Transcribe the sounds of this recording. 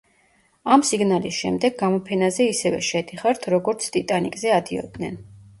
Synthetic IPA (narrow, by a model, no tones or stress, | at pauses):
amsiɡnalisʃɛ̰md̪ɛɡːamɔpʰɛnazɛisɛvɛ̰ʃɛd̪iχaɾt̪ʰɾɔɡɔɾt̪sʰt̪ʼit̪ʼanikʼzɛad̪iɔ̰d̪nɛn